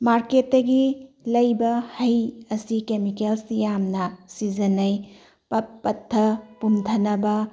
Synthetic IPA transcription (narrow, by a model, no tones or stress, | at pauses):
maɾketːɐɡi | lɐjbɐhɐjɐsikemikelsjamnɐsizɐnɐj | pɐt̚pːɐtʰːɐpumtʰɐnɐbɐ